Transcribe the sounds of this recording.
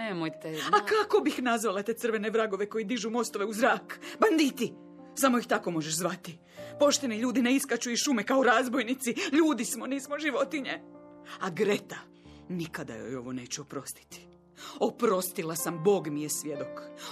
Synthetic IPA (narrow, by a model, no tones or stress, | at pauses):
emojt̪eakako̞bixnazʋalat̪e̞sɨr̩ʋe̞neʋɾaɡo̞ʋe̞ko̞jid̪iʒumo̞st̪o̞ʋeuzɾaːkband̪iːt̪i | samo̞jixt̪ako̞mo̞ʒeʃzʋat̪i | po̞ʃt̪e̞niʎuːd̪ineiskat͡ɕuiʃumekaoɾaːzbo̞jnit̪siʎuːd̪ismo̞niːsmoʒiʋo̞t̪iɲe̞aɡɾe̞t̪a | nikad̪a̰jo̰jo̞̰ʋo̞ne̞ːt͡ɕuopɾo̞st̪i̥t̪i̥ | o̞pɾo̞st̪ilasambo̞ːɡmijesʋje̞d̪o̞k